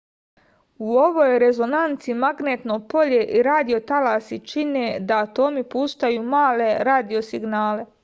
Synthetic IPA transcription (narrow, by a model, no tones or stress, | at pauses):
uoʋojɾe̞zo̞nant̪simaɡneːt̪nopo̞ʎe̞ʔiɾaːd̪io̞t̪alaːsit͡ʃine̞d̪aːt̪oːmipust̪ajuːmaːle̞ɾaːd̪io̞siɡnaːle̞